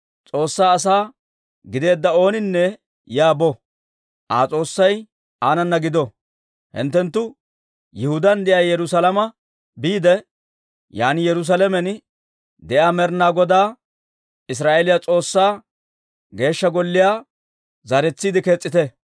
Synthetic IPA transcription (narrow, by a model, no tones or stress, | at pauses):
t͡sʼo̞ːsːaːɐs̬aː | ɡɪd̪e̞ːd̪ːɐo̞ːnɪnːɛ | jaːbɔ | ʔaːt͡sʼo̞ːsːɐj | ʔaːnɐnːɐɡɪd̪ɔ | hɪ̰nt̪ːɛnt̪ːʊ | jɪhʊd̪ɐnd̪ɛʔɐjjɛɾʊsɐlɐmɐ | biːd̪ɛ | jaːnɪjɛɾʊs̬ɐlɛmɛn | d̪ɛʔaːmɛɾnaːɡɔd̪aː | ɪs̬ɾaːʔelɪjat͡sʼo̞ːsːaː | ɡe̞ːʃːɐɡɔlːɪjaː | zɐɾɛt͡sːiːd̪ɪkeːt͡sʼːɪt̪ɛ